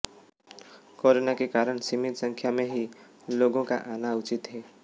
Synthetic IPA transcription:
koːɾonakekaːɾəɽsimɪt̪sə̃ŋkʰjamẽɦi | loːɡõka̰ʔaːnaʊt͡ʃɪt̪ɦɛː

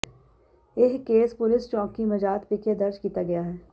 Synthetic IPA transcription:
eɦkːeːspʊlɪst͡ʃɔ̃ːkːimɐd͡ʒaːt̪pɪked̪ɐɾd͡ʒkiːt̪aɡɐjaɦɛː

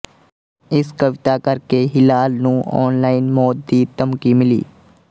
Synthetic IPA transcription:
ɪskəʋɪt̪akəɾkeɦɪlaːlnũːʔɔ̰ːnlaːɪnmɔːt̪̚d̪iːt̪əmkiːmɪlḭː

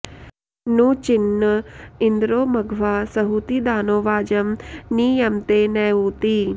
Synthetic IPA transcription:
nũːt͡ʃɪnːəɪnd̪ɾoːmɐɡʱʋaːsəɦuːt̪iːd̪aːnoːʋaːd͡ʒəmniːjəmt̪eːnɛːuːt̪iː

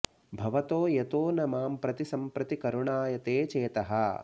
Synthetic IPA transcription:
bʱɐʋɐt̪oːjɐt̪oːnɐmaːmpɾɐt̪isɐmpɾɐt̪ikɐɾuɳaːjɐt̪eːt͡ʃeːt̪ɐɦɐ̰

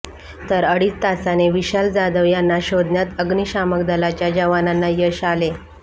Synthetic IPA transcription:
t̪əɾəɽiːt͡st̪asaneʋiɕald͡zad̪əʋjanːaɕod̪njat̪əɡniɕamək̚d̪əlat͡ɕjad͡ʑəʋananːajəɕale

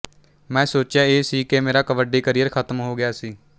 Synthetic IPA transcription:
mɛ̃ːsoːt͡ʃjaːeːsiːkemeːɾaːkəʋəɖiːkəɾijəɾkʰət̪mɦoːɡɪjaːsiː

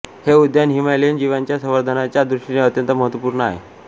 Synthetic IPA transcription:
heud̪janɦimajlind͡ʑiʋaɲt͡ɕjasəʋəɾd̪ʱənat͡ɕjad̪ɾuʂʈineət̪jənt̪əməɦət̪ʋəpuːɾnəa̰ɦḛ

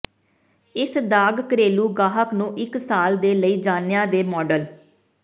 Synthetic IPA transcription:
ɪsd̪aːɡkəɾeːluːɡaːɦəknũːʔɪksaːld̪eːləiːd͡ʒaːnɪjãːd̪eːmɔːɖəl

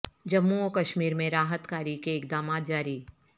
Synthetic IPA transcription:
d͡ʒɐmːuoːkɐʃmiːɾmẽɾaːɦət̪kaːɾikeɪkd̪aːmaːt̪̚d͡ʒaːɾi

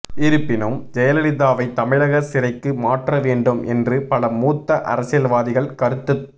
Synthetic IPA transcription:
ɪɾɯpːɪnɯmd͡ʒɛjɐlɪlɪðaːʋɐɪt̪ɐmɪɻɐɣɐsɪɾɐɪkːɯmaːʈrɐʋeːɳɖɯmʔɛ̰ndrɯpɐlɐmuːt̪ːɐʔɐ̰ɾɐsɪjɐlʋaːðɪɣɐɭkɐɾɯt̪ːɯ

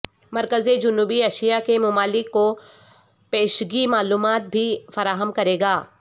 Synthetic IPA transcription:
mɐɾkəzed͡ʒʊnuːbiɐːʃijakemʊmaːlɪkːo | peːʃɡimaːluːmaːt̪̚bʱifɐɾaːɦəmkɐɾeːɡaː

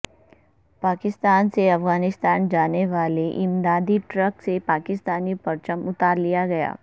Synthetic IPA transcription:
paːkɪst̪aːnseɐfɡaːnɪst̪aːnd͡ʒaːneʋaːleʔɪ̃md̪aːd̪iʈɾəksepaːkɪst̪aːnipɐɾt͡ʃəmʊt̪aːɾlijaɡɐja̰ː

